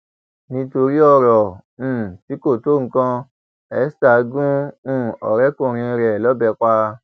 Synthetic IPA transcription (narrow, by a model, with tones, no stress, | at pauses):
nĩ˧˦to˧ɾi˦ɔ˦˨ɾɔ̃˨ | ti˨˦ko˦˨to˦˨ŋ̩˦kã˧ | ɛ˨˦sta˨˦ɡũ˦˨ɔ̰˨ɾɛ˦kõ˦˨ɾ̃ĩ˧ɾɛ˨lɔ˨˦bɛ˧k͡pa˧